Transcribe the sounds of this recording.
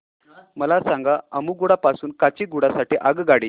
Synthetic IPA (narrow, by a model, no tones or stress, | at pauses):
məlasaŋɡaəmuːɡuɽapasuːnkat͡ɕiːɡuɽasaʈiːʔaɡɡaɽiː